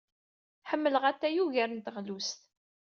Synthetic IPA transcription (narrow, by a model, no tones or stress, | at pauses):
ħəmːələʁæt̪ːæjuʝæɾənt̪əʁlust̪